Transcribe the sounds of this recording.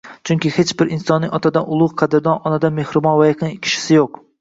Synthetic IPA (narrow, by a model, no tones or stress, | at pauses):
t͡ʃʰʊŋkʲɪhet͡ʃbɪɾɪnsɒnːɪɒt̪ʰad̪anʊlˠʊqqʰɑd̪ɪɾd̪ɒnɒnad̪amehɾɪbɒnvajɪqɪŋkʲʰɪ̥ʃɪ̥sɪjoq̚